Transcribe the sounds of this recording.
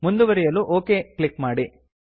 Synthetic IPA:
mund̪uʋɐɾijɐluʔoːkeːkɭikmaːɽi

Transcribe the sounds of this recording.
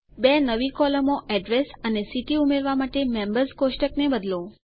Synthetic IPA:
benəʋikɔləmoʔɛɖɾesənesiʈiumeɾʋamaʈemẽmbəɾskoʃʈəknebəd̪lõ

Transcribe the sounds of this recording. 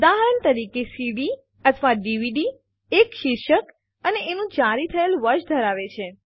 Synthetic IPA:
d̪aɦɾəɳt̪əɾikesiɽi | ət̪ʰəʋaɖiʋiɖi | ekʃɪɾʃək | əneenũd͡ʒaɾit̪ʰəelʋəɾʃd̪ʱəɾaʋet͡ʃʰe

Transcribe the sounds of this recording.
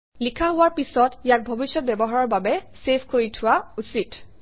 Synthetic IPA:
likʰaɦʊwaɹpisɔtijak̚bʱobisjɔt̚bɛbɔɦaɹɔɹbabɛsepʰkoɹitʰʊwausit

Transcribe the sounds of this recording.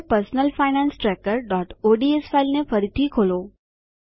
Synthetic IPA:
pəɾsnəlfaːɪnãːnsʈɾeːkəɾɖɔːʈoɖiesfaɪlnefɐɾit̪ʰikʰoːloː

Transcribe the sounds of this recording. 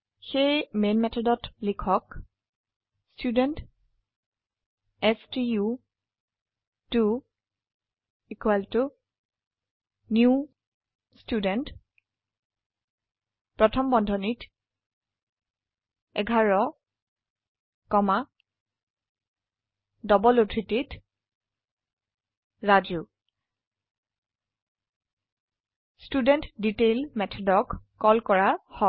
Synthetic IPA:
xejmenmɛtʰɔdɔtlikʰɔk | studɛnt | ɛstiju | tu | ikwaltu | nju | studɛnt | pɹɔtʰɔmbɔndʱɔnit | ɛɡʱaɹɔ | kɔma | dɔbɔlotʰɹitit | ɹad͡ʒu | studɛntditelmɛtʰɔdɔkː | ɔlkɔɹahɔ

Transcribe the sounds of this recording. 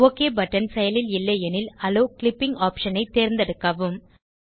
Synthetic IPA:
oːkːeːbɐʈːɐnsɛjɐlɪlɪlːɐɛnɪlɐloːklɪpːɪŋɡaːpʂɐnɐɪt̪eːɾnd̪ɐɽɯkːɐʋɯm

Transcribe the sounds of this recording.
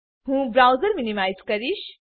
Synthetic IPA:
hũːbɾawzəɾminimaːjzkɐɾiʃ

